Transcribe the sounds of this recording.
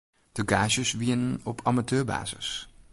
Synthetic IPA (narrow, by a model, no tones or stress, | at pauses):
d̥əɡaːʒəsʋiənnɔpʰamatʰøːɹba̰ːzə̰s